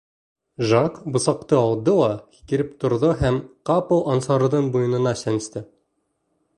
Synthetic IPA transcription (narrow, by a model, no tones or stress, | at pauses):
ʒɑkbŏsɑqt̪ɤɒlˠd̪ɤlˠɑki̥kɘ̆ɾɘp̚t̪ŏɾðɤɦæmqɑpowʔɑnsɑɾ̆ðɤɴbujɤ̆nɤ̆nɑsænɘ̆st̪ɘ